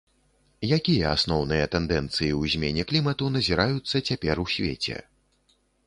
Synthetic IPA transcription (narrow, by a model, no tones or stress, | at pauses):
jakʲijɐasnɔwnɨjɐt̪ɛnd̪ɛnt̪sɨjiwzʲmʲenʲɛklʲimɐt̪un̪ɐzʲiɾajut̪sːɐt͡sʲapʲɛrusʲvʲḛt͡sʲɛ̰